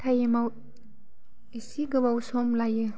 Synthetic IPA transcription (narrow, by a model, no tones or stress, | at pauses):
tʰajemaw | esiɡɯβawsɔmlajɯ